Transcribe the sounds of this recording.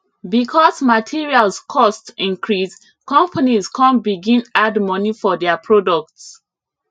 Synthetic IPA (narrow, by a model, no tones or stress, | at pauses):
bikʰɔsmatʰiɹialskʰɔstĩnkɹis | kɔ̃mpʰaniskʰãnbiɡĩnadmɔnifɔdɛapʰɹɔdɔk̚ts